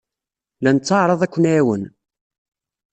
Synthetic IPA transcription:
lænət͡sːɑʕɾˤɑðˤækʷːənːwən

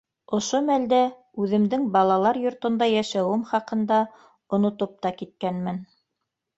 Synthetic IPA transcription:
ŏʃomæld̪æ | ʉðɘ̆md̪ɘŋbɑlˠɑlˠɑɾjŏɾt̪ŏnd̪ɑjæʃæwɘmχɑqɤ̆nd̪ɑ | ŏnŏt̪op̚t̪ɑkit̪̚kænmɘn

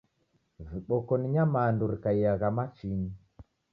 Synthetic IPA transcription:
viɓɔkɔniɲamanduɾikaiaɣamat͡ʃini

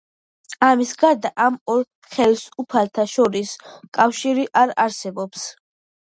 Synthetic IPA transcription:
amisɡaɾd̪aʔamɔɾ | χɛlsupʰalt̪ʰaʃɔɾiskʼafʃiɾiʔaɾaɾsɛbɔps

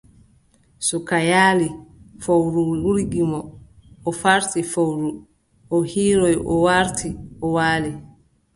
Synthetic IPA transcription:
sukajaːlifowɾuuɾɡimɔː | faɾtifowɾu | ʔɔhiːɾɔjʔɔwaɾtʰiʔɔwaːli

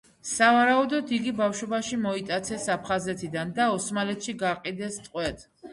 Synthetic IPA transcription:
savaɾaud̪ɔd̪ʰiɡibafʃɔbaʃimɔit̪ʼat̪sʰɛsapʰχazɛt̪ʰid̪and̪aɔsmalɛt̪ʰʃiɡaqʼid̪ɛst̪ʼqʼwɛt̪ʰ

